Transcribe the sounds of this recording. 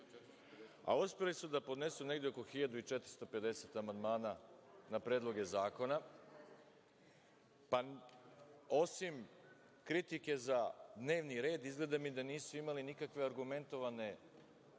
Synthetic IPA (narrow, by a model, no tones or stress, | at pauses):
a̰uspelisud̪apo̞d̪ne̞sune̞ɡd̪eo̞ko̞xiʎad̪uit͡ʃet̪ɾi̥st̪o̞pe̞d̪e̞se̞t̪amand̪maːnanapɾeːd̪lˠo̞ɡe̞zaːko̞na | pa | o̞sim | kɾit̪ike̞zad̪ne̞ːʋniɾe̞ːd̪izɡle̞d̪amid̪aniːsuimalinikakʋe̞aɾɡume̞nt̪o̞ʋane̞